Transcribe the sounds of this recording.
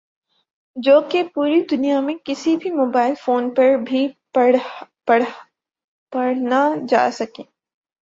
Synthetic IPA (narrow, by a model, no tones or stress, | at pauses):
d͡ʒoːkepuːɾid̪ʊnijamẽkɪsibʱimoːbaːɪlfoːnpɐɾbʱi | ɐ | ɐɽ | pɐɽnad͡ʒa̰ːsɐkẽː